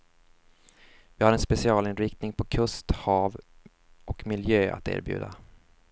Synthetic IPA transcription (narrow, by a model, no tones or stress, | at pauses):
vɪhaɾɛnspɛsɪɑːlɪnɾɪk̚t̪nɪŋpʰɔkʰɵst̪hɑːv | ɔkmɪljøːʔa̰t̪ḛːɾbjʉ̟̰ːd̪a